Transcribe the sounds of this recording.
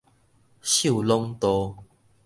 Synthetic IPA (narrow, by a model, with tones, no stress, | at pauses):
ɕu˥˨lɔ˦ŋt̪ɔ˧˦